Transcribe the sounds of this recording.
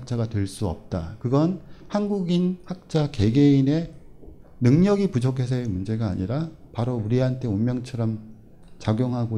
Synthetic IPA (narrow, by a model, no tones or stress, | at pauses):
k̚t͡ɕ͈aɡatwe̞ɭs͈uʌ̰p̚t͈a̰kɯɡʌnhanɡuɡinhak̚t͡ɕ͈ake̞ɡe̞ine̞ | nɯŋɲʌɡipud͡ʑʰokʰe̞s̬ʰʌemund͡ʑe̞ɡa̰ːɲiɾapaɾouɾiɦantʰe̞onmjʌŋt͡ɕʰʌɾʌm | t͡ɕaɡjoŋɦaɡo